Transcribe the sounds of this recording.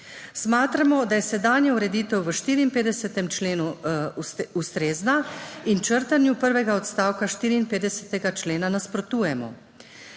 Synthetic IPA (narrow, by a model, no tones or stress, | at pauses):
smaːt̪ɾamɔd̪ajɛsɛd̪aːnjɛuɾɛd̪iːt̪ɛwʋəʃt̪iːɾiːnpeːd̪ɛsɛt̪ɛmt͡ʃleːnu | ust̪ɾeːznaint͡ʃəɾt̪anjupəɾʋɛɡaɔt̪st̪aːwkaʃt̪iːɾiːnpeːd̪ɛsɛt̪ɛɡat͡ʃleːnanaspɾɔt̪uːjɛmɔ̰